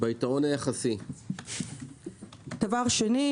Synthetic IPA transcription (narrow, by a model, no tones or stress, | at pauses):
baitaʁonajaχasi | d̥avaʁʃeni